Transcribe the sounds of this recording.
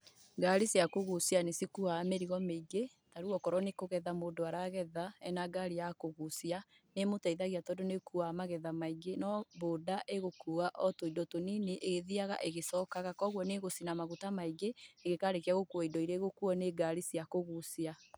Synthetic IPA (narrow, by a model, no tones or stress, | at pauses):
ɡaɾisiakoɣusianesikuaːmeɾiɣɔmeiɡe | taɾuɔkɔɾɔnekoɣɛðamoːdoaɾaɣɛðaɛnaɡaɾijakoɣusia | nemotaiðaɣiatɔdonekuamaɣɛðamaiɡenɔboːdaʔeɣokuaʔɔtoidɔtonineʔeɣeðiaɣa̰ʔeɣesɔkaɣakɔɣwɔneɣosinamaɣutamaiɡeeɣekaːɾekiaɣokwaidɔiɾeɣokuɔneɡaɾisiakoɣusia